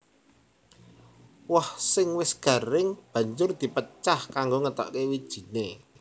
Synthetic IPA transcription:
wahsɪŋwɪsɡ̥a̤ɾɪŋb̥ä̤ɲd͡ʒʊrd̪̥i̤pət͡ʃahkaŋɡoŋət̪ɔ̰ʔkewid̥ʒ̥i̤ne

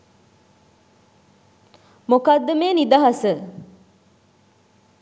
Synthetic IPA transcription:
mukad̪ːəmeːnid̪ɐɦɐsə

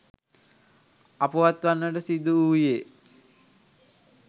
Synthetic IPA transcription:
apuʋat̪ʋanːəʈəsid̪uuːje

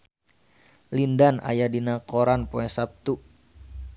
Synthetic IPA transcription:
lindana̰jadinakoɾanpoɛsap̚t̪u

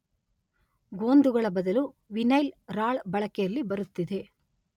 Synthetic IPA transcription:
ɡoːnd̪uɡɐɭɐbɐd̪ɐlu | ʋinɐjlɾaːɭbɐɭɐkɛjɐlːibɐɾut̪ːid̪e̞

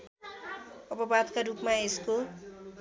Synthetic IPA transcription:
ʌpʌbad̪kaɾupmaesko

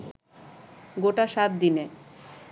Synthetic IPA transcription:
ɡoʈaʃat̪̚d̪ine

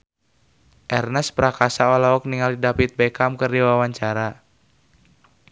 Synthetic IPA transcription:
ʔɛrnɛspɾakasaɔlaɔk̚niŋaldidapit̪̚bɛkamkərdiwawaɲt͡ʃaɾa

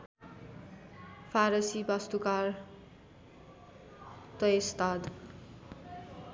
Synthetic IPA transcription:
pʰaɾʌsibʌst̪ukar | t̪ʌest̪ad̪

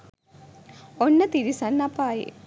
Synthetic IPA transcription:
onːət̪iɾisɐnːɐpaːjḭ

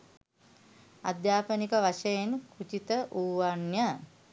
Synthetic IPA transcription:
a̰d̪jaːpənikəʋaʃejenkʰut͡ʃit̪əʔuːʋanjə

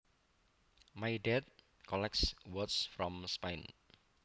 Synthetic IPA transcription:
majdɛt̪̚ | kʰɔlɛk̚swɔtsfɾɔ̃mspejn

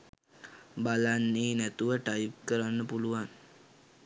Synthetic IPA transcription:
balanːeːnæt̪uʋəʈajp̚kəɾanːəpuluʋan

